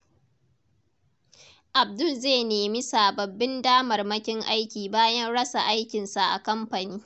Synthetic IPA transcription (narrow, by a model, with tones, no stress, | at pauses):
ʔa˨b̚dʊ˦˨lzeː˦˨neː˨mi˦saː˨bɐ˨bːɪ˦ndaː˦mɐ˨rmɐ˦kʲɪ˦ŋʔa˦jkʲiː˨baː˦jɐ˦nɽɐ˦sa˨ʔa˦jkʲɪ˨nsa˨ʔa̰˨kɐ˦mɸa˨niː˦